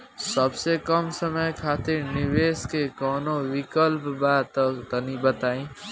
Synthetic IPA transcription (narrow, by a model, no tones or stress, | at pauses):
səbsekʌmsəməjkʰat̪iɾniʋeskekɔːnowikəlpbat̪əkt̪ənibət̪aĩ